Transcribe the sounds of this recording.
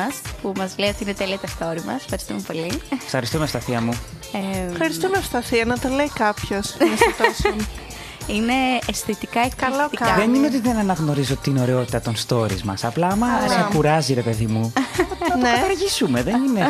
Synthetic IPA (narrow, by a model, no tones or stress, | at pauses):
ɐspumɐzleot̪iinet̪eliɐt̪est̪o̞ɾimɐ̰sfxɐɾist̪ume̞po̞lifxɐɾist̪umeost̪ɐθiɐmu | efxɐɾist̪umeost̪ɐθiɐnɐt̪ɐleikɐpçosɐst̪osn | ine̞st̪it̪ikɐɐloiɐðenineo̞t̪iðenɐnɐɣno̞ɾizo̞t̪ino̞ɾeo̞t̪i̥t̪ɐt̪o̞nst̪o̞ɾḭzmɐ̰sɐplɐɐmɐsɐkuɾɐziɾe̞pe̞ðimuɐnkɐt̪ɐɾʝisume̞ðenine̞